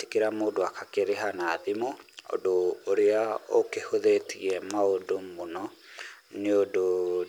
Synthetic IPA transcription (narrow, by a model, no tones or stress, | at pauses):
te̥keɾamoːdoakʰakeɾeɦanaːðimoo̰doːɾeao̰kehoðetʰḭɛmaodomonɔ | neodo